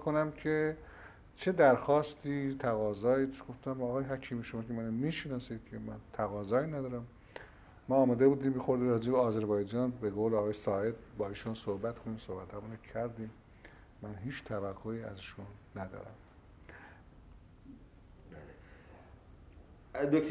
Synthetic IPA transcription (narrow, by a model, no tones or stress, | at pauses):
kʰonæmcʰe | t͡ʃʰe̞d̪æɾxɒːst̪iːt̪ʰæɣɒːzɒːiːt̪ɡ̥oft̪æmɒːɣɒːjeɦæcʰiːmiʃomɒːkʰemænomiːʃenɒːsiːd̪̥̚cʰemænt̪ʰæɣɒːzɒːiːnæd̪ɒːɾæmː | ɒːmæːd̪ebuːd̪iːmmiːxoɾd̪iɾɒːd͡ʒebeɒːzæɾbɒːjed͡ʒɑːnbeɣoːlɒːɣɑːjesɒːe̞d̪̚bɒːiːʃunsohbæt̪kʰoniːmsohbæt̪ʰːɒɾmunecʰæɾd̪iːmː | ænɦiːt͡ʃt̪ʰævæɡoiːæ̰ziʃunːæd̪ɒ̰ːɾæ̰m | d̪ok